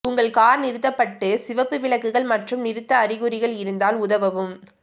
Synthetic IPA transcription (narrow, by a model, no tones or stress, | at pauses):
ʊŋɡɐɭkaːɾnɪɾɯt̪ːɐpːɐʈːɯsɪʋɐpːɯʋɪɭɐkːɯɣɐɭmɐʈrɯmnɪɾɯt̪ːɐːɾɪɣɯɾɪɣɐɭɪɾɯnd̪aːlʊðɐʋɐʋɯm